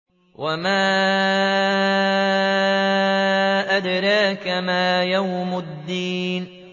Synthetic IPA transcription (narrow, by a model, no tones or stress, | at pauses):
wamaː | ʔad̪ɾˤɑːkamaːjawmad̪ːiːn